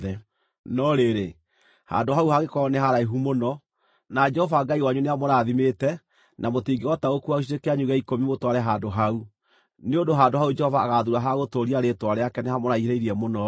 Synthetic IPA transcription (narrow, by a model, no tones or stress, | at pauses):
ɛ | nɔɾeɾe | ha̰ndoɦauhaɣekɔɔneɦaɾaiɦumonɔ | nad͡ʒɛhɔvaɡaiwaɲuneamɔɾaːðimetɛ | nʔamotiɡewɔtaɣokuaoʃ̬iɾekeaɲuɣɛikomimotwaɾɛɦadoɦau | neondoɦandoɦaud͡ʒɛhɔvaːɣaðuɾaɦaɣotoɾiaɾetwaɾɛakɛnehamɔɾaieɾeiɾiɛmonɔ